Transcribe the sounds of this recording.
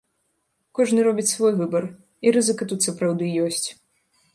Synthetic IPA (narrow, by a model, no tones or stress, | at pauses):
kɔʐnɨɾɔbʲit͡sʲsvɔjvɨbɐr | iɾɨzɨkɐt̪ut̪sɐpɾawd̪ɨjɔsʲt͡sʲ